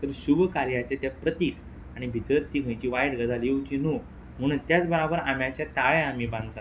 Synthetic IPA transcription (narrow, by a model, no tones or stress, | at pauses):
t̪əɾɕubkaɾjat͡ɕet̪japɾət̪iːk | aɽ̃ibʱit̪əɾt̪iːkə̃jt͡ɕiʋajʈɡəd̪ʱaljewt͡ɕinu | m̤əñut̪jat͡sbəɾabəɾamjat͡ɕat̪aʋẽamibãnd̪t̪a